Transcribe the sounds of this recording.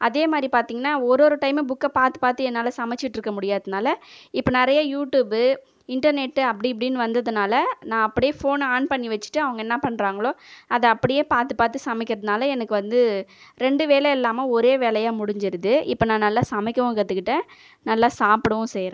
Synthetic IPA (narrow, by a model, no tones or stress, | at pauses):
ʔɐðeːmaːd̪ɾipaːɾt̪iːŋɡɐnːaːɔɾoːɾɯʈɐɪmeːbʊkːɐpaːɾt̪ɯ̥paːɾt̪ɯɛnːaːlɐsɐmɛt͡ʃːɪʈːɪɾɯkːɐmʊɽɪjaːðɯnaːlɐɪpːɐnɪɾɐjɐjuːʈjuːbɯ | ɪɳʈɐɾnɛʈːɯɐpːɐɽip̬ːɐɽɪjnːɯʋɐnd̪ɐðɯnaːlɐnãːɐpːɐɽɪjeːfoːnaːɳpɐɳːiʋɐt͡ʃːɯ̥ʈːɯɐʋɐŋɡɐɛnːapɐɳːɾaːŋɡɐɭoːɐðɐɐpːɐɽɪjeːpaːɾt̪ɯpaːɾt̪ːɯsɐmɪkʲːɪɾɐðɯnaːlɐɛnɐkːɯʋɐnd̪ɯɾɛɳɖɯʋeːlɛɛlːaːmɐɔɾeːʋeːlɐjaːmʊɽɪɲd͡ʒɪɾɯðɯʔɪpːɐːnãːnɐlːaːsɐmɪkʲːɐʋõɡɾɐt̪ːɯkːɪʈːɐ | nɐlːaːsaːpɯɽɐʋʊ̃sɛːjɾẽː